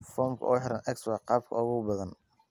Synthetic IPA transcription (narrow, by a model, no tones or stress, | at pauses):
fɔːmkʰɐ̰ʔɔːħɪɾɐnʔɛkswɑqɑːb̚kʰɐʊɣʊbɐðɐn